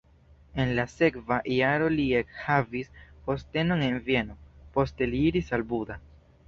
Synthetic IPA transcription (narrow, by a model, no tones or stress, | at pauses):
e̞nlase̞kvaʔjaɾo̞liekhavispo̞ste̞no̞ne̞nvie̞no̞po̞ste̞liiɾisalbuda